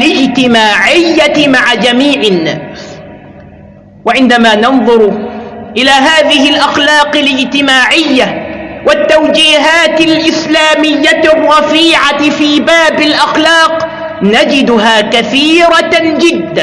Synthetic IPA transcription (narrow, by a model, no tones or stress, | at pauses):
lɪd͡ʒt̪ɪmaːʕɪjːaɪmaʕad͡ʒamiːʕɪnːaːs | waʕɪnd̪amaːnɑnðˤʊɾʔɪlaːɦaːðɪhɪlʔaxlɑːqɪlɪd͡ʒt̪ɪmaːʕɪjːawat̪ːawd͡ʒiːɦaːt̪alʔɪslaːmɪjːaɪrˤːɑfiːʕafiːbaːbalʔaxlɑːq | nad͡ʒɪd̪ʊɦaːkaθiːɾɑd͡ʒɪd̪ːa